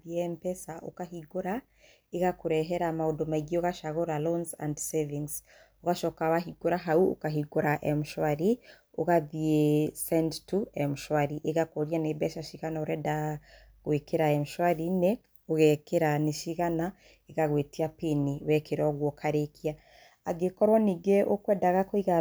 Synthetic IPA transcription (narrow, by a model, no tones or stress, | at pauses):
ðiɛmpɛsaʔo̰kahiɡoɾa | eɣakoɾɛɦɛɾamaodomaiɡioɣaʃaɣoɾalɔnsa̰ndsɛvins | oɣaʃɔkawaɦiɡ̥oɾaɦauo̰kaɦiɡoɾaʔɛmʃwaɾi | oɣaðiesɛndtuɛmuʃwaɾiʔeɣakoɾjanebɛʃaʃiɣanaoɾɛda | ɣwekeɾaemʃwaɾine | oɣɛkeɾaneʃiɣana | eɣaɣwetiapiniwɛkeɾɔɡwɔkʰaɾekiaː | ɡekɔɾwaniɡeʔokwɛːdaɣakoiɣa